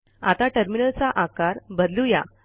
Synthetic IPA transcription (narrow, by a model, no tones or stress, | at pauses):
a̰t̪aʈəɾminəlt͡saʔakaɾbəd̪luja